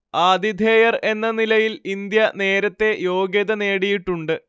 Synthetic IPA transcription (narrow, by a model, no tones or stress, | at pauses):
aːd̪id̪ʱeːjɐre̞nːɐnilɐjilind̪jɐne̞ːɾɐt̪ːe̞jo̞ːɡjɐðɐne̞ːɽijiʈːuɳɖɨ